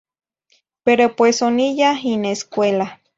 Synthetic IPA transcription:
peɾopwesonijaineskʷela

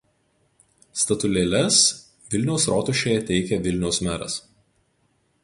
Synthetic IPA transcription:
st̪ɐt̪ʊlʲeːlʲɛs | ʋʲɪlʲnʲɛʊsɾɔːt̪ʊʃʲeːjɛt̪ʲɛɪkʲɛʋʲɪlʲnʲɛʊsmʲæːɾɐ̰s

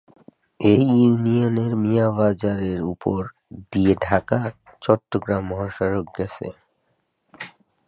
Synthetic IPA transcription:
ejunioneɾmiabad͡ʑaɾeɾupoɾ | d̪ieɖʱakat͡ɕɔʈːoɡɾamːɔɦaʃaɾok̚ɡɛsḛ

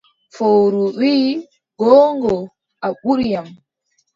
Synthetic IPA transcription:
fowɾuwiː | ɡɔːŋɡɔ | ʔaɓuɾjam

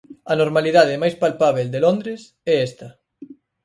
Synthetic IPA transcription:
ɐnoɾmaliðaðɪmajspalpaβeld̪elond̪ɾes | ɛɛst̪ɐ

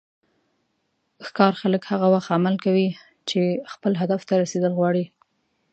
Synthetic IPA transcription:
xkɑɾxaləkhaɣawaxt̪amalkawi | t͡ʃexpəlɦad̪aft̪aɾased̪əlɣwɑɽi

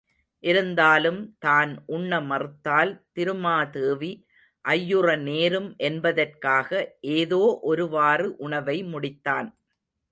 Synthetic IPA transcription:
ʔɪɾɯnd̪aːlɯmt̪aːnʔʊɳːɐmɐrɯt̪ːaːlt̪ɪɾɯmaːt̪eːʋi | ʔɐjːɯrɐneːɾɯmʔɛnbɐðɐrkaːɣɐʔeːðoːʔɔɾɯʋaːrɯʔʊɳɐʋɐɪmʊɽɪt̪ːaːn

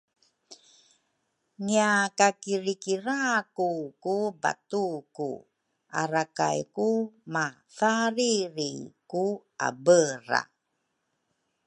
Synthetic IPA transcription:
ŋiakakiɾikiɾakukuba̰tukṵ | ʔa̰ɾaka̰jkuma | faɾiɾiku | a̰bəɾa̰

